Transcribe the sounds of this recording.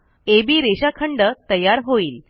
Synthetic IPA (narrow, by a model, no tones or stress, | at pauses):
ebiːɾeɕakʰəɳɖət̪əjaɾɦoiːl